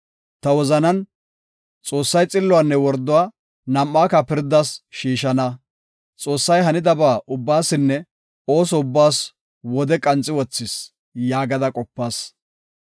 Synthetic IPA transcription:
t̪ɐwɔzɐnɐn | t͡sʼo̞ːsːɐjt͡sʼɪlːʊwanːɛwɔɾd̪ʊwaː | nɐmːaːkɐpɪɾd̪asʃiːʃɐnɐ | t͡sʼo̞ːsːɐjɦɐnɪd̪ɐbaːʔʊbːaːsɪnːɛ | o̞ːs̬ɔʊbːaːs | wɔd̪ɛkʼɐnt͡sʼːɪwɔt͡sːɪs | jaːɡɐd̪ɐkʼɔpːaːs

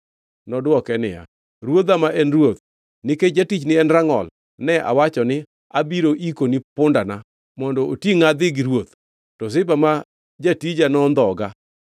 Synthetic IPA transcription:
nɔdwɔkɛnɪ̰a̰ | ɾwod̪amaʔɛnrwot̪ | nɪked͡ʒatit͡ʃnɪɛnraŋɔ̰l | nɛʔa̰wat͡ʃɔnɪ | abiɾoʔikonipʊndana | mɔndɔotjiŋad̪ɪɡiɾwot̪ | tɔsɪbama | d͡ʒatid͡ʒanɔnd̪ɔɡa

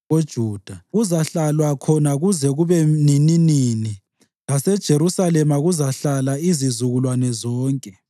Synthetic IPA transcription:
od̥ʒ̥ʱuːd̥ʱaɣuzaɬalwakʰɔnaɣuzɛɣuβɛnininiːni | lasɛd̥ʒ̥ʱeɾusalɛmaɣuzaɬalaizizuɣulwanɛzɔːŋkʼɛ

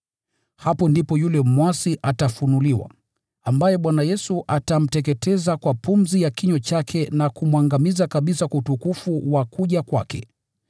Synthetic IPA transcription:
hapɔndipɔjulɛmwasiʔatafunuliwa̰ | ambajɛɓwanajɛsuʔatam̩tɛk̬ɛtɛzakwapum̩zijakiɲɔt͡ʃakʰɛnakumwaŋɡamizakaɓisakuutukufuwakuʄakwa̰kɛ̰

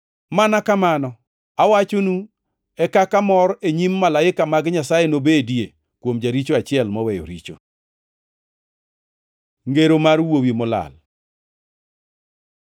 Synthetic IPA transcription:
manakamanɔ | awat͡ʃonu | ɛkakamɔɾeɲimːalaɪkamaɡɲasajenobedje | kwomd͡ʒaɾit͡ʃoat͡ʃɪɛlmɔwɛjo̰ɾḭt͡ʃo̰ | ŋɡeɾomarwowimɔla̰l

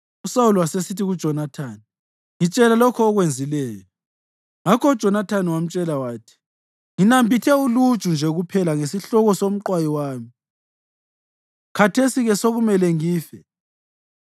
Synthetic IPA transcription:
usawuluwasesitiɣud̥ʒ̥ʱɔnatʰaːni | ŋit͡ʃʼɛlalɔkʰɔːɣwend͡zʱilɛːjɔ | ŋakʰɔud̥ʒ̥ʱɔnatʰaniwam̩t͡ʃʼɛlawaːtʰi̥ | ŋinambʱitʰɛulud̥ʒ̥ʱund͡ʒʱɛɣupʰɛlaŋesiɬɔɣɔsom̩ǃwajiwaːmi | kʰatʰesiɣɛsoɣumɛlɛŋiːfɛ

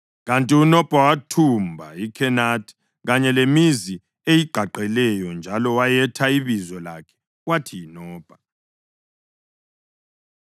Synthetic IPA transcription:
ɣantʼiunɔpʼawatʰumbʱa̰ikʰɛnatʰʼ | ɣaɲɛlemizi | ejiɡ͡ǃ̥ʱaǃɛlɛjɔnd͡ʒʱalɔwajɛtʰaiβizɔlakʰɛ̥ | watʰiinɔːpʼa

